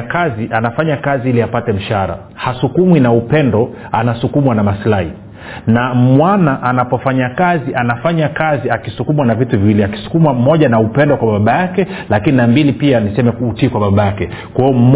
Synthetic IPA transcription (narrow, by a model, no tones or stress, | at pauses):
kaziʔanafaɲakaziiliapatɛm̩ʃaɾa̰ | hasukumwinaupɛndɔ | anasukumwanamaslahḭ | namwanaʔanapɔfaɲakaziʔanafaɲakaziakisukumwanavituviwiliaki̥su̥kumwam̩mɔʄanaupɛndɔkwaɓaɓajakɛlakininambilipianisɛmɛkːtikwaɓaɓajakɛkwaiɔm̩